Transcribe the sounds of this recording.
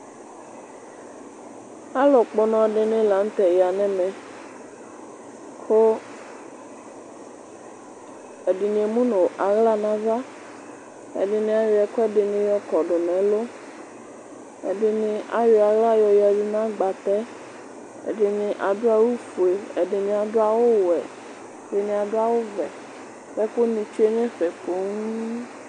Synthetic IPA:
a˦lɔ˨k͡pɔ˨nɔ̃˨ɖɪ˨nɪ̃˦la˨ŋ̩˦t̪ɛ˨ja˨nɛ̃˦mɛ̃˨ | kʰo˦ | e˨di˨nĩ˨e˨mũ˦no˨ʔa˨ɣla˦˨nã˦va˦ | ḛ˨ɖɪ˨nɪ̃˦a˨je˨˦ɛ˨ko˦ɛ˦ɖɪ˨nɪ̃˦jɔ˦kɔ˨ɖʊ˨nɛ̃˨˦lo˦ | ḛ˨ɖe˨nĩ˨ʔa˨je˨a˨ɣla˦jɔ˨ja˨vi˦nã˦ɡ͡ba˨t̪ɛ˦ | ḛ˨ɖe˨nĩ˨ʔa˨do˦a˦wo˦fo˨e˨ḛ˨ɖe˨nĩ˨a˨do˦a˨wo˦wɛ̰˨ | de˨nĩ˨a˨do˦a˨wo˦vɛ̰˨ | fɛ˦ko˦nĩ˨t͡ʃu˦e˦ɲẽ˦ɸɛ˨po˦ŋu˦

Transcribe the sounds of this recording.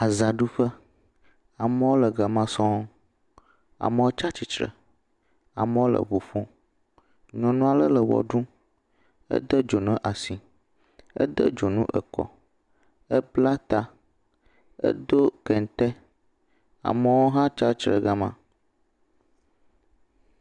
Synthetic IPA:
a˨za˨ɖu˦ɸə˦ | a˨mə˦wo˦lə˨ɡa˨mã˨sɔ̃˦ | a̰˨mə˦wo˦t͡ʃa˦t͡ɕi˨t͡ʃɾə̰˨ | a̰˨mə̃˦wo˦lə̰˨βo˨fõ˦ | ɲɔ̃˨nũ˦a˦lə˦lə˨wɔ̰˨ɖũ˦ | ə̰˦d̪ə˦d͡ʒo˨nə̃˦ʔa˨si˨ | ə̰˦d̪ə̰˦d͡ʒo˨nũ˦ʔə̰˨kɔ̰˨ | ə˦bla˦t̪a˦ | ə̰˦d̪o˦kɛ˨n˨t̪ɛ˦ | a̰˨mə˦wo˦ɦã˦t͡ʃa˦t͡ʃɾə̰˨ɡa˨mã̰˨

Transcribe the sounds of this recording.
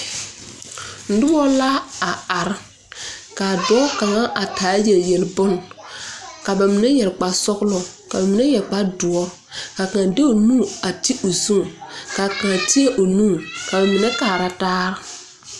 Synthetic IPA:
n̩˨dʊ˦ɔ˦la˦a˨a˨ɾ | ka˨dɔ˨˦ka˨ŋa˦ʔa˨kaː˨˦jɛ˨ljɛ˨lbʊ˦n | ka˨ba˨mɪ˨nɛ˦jɛ˨lk͡pa˨sɔ˦klɔ˨ | ka˨ba˨mi˨nɛ˦jɛ˨lk͡pa˦dʊ˨ɔ˦ | ka˨kã˨de˦o˨nũː˦a˨ti˦ʔo˨zu˦ŋka˨kã˨ti˦e˦ʔo˨nũː˦˨ka˨ba˨mɪ˨nɛ˦kaː˨ɾa˦taː˦ɾɪ˦

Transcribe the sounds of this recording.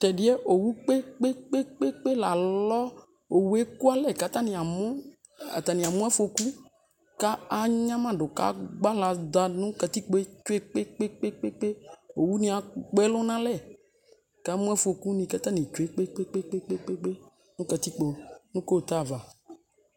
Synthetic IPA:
t̪ɛ˨ɖɪ˦e˦ʔo˨wu˦k͡pe˦k͡pe˦k͡pe˦k͡pe˦k͡pe˦la˨lɔ˦ | o˨wu˨˦e˦ku˦a˦lɛ˨ka˦t̪ã˦nĩ˨a˨mõ˦ | a̰˨t̪a˨nĩ˨a˨mũ˦ɛ˦fo˨ku˦ | ka˦a˦ɲã˦mã˦ɖʊ˨ka̰˦ɡ͡ba˦la˨d̪a˨nũ˦ka˨t̪i˦k͡po˦e˦t͡ʃo˦e˦k͡pe˦k͡pe˦k͡pe˦k͡pe˦k͡pe˦o˨wu˦nĩ˦a˨k͡pɛ˦lo˦nã˦lɛ˦˨ | ka˦mũ˦ɛ˦fo˨ku˦nĩ˨ka˦t̪ã˦nĩ˨t͡ʃo˨˦e˦k͡pe˦k͡pe˦k͡pe˦k͡pe˦k͡pe˦k͡pe˦k͡pe˦ | nũ˦ka˨t̪i˦k͡po˨nũ˦ko˦˨t̪a˦˨va˨

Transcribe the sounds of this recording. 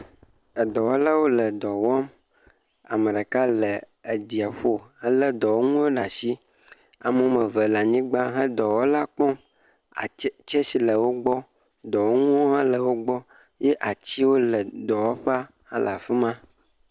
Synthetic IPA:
ə˨d̪ɔ˨wɔ˦la˦wo˦lə˨d̪ɔ˨wɔ˦m | a˨mə˨ɖə˨ka˦lə˨ | e˨d̪i˨a˨ɸo˦hɛ˦lə˦d̪ɔ˨wo˦ŋũ˦o˦ɖa˨si˦ | a̰˨mə˦mə̃˨və˨la˨ɲĩ˦ɡ͡ba˦ɦə̃˦d̪ɔ˨wo˦la˦k͡pɔ̃˦ | a̰˨˦t͡ʃe˦si˨lə˨wo˦ɡ͡bɔ˦ | d̪ɔ˨wo˦ŋũ˦o˦ɦã˦lə˨wo˦ɡ͡bɔ˦ | je˦ʔa˨t͡ɕi˦wo˦lə˨d̪ɔ˨wɔ˦ɸa˦ | hã̰˦la˨fi˦mã˦

